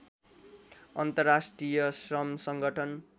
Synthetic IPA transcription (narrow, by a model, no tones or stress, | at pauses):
ʌnt̪ʌrːasʈrijʌsrʌmsʌŋɡʱʌʈʰʌn